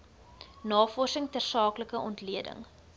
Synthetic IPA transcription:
nɑːfɔrsəŋtərsɑːkləkəʔɔntliədə̰ŋ

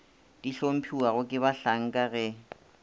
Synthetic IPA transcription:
d̥iɬom̩pʰiwaɣʊkʼɪβaɬaŋ̩kʼaɣɛ

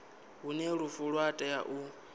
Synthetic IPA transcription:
ɦunɛɺufuɺwatʼɛjaʔu

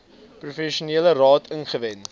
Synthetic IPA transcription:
prufɛʃuniːələrɑːtʰənχəvɛn

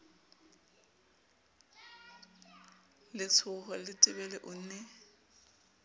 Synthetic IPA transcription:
lɪt͡sʰʊχɔlɪtʼɪbɛlɛʔʊn̩nɛ

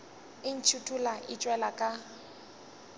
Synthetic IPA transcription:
ɪn̩t͡ʃʰutʰulaʔɪt͡ʃʼwɛlakʼa

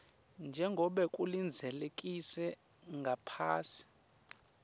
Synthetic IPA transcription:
nd͡ʒʱɛŋɡʱɔɓɛkʼulind͡zʱɛlekʼisɛ | ŋɡʱapʰaːsi̥

